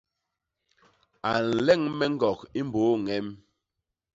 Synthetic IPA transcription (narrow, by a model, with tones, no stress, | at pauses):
a˨n̩˨lɛ˦˨ŋmɛ˦ŋ̩˦ɡɔ˨ki˦m˦boː˨˦ŋɛ˦m